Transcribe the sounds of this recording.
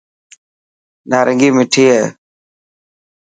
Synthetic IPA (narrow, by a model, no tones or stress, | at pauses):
naːɾʔəŋɡiːmɪʈʰiːɦeː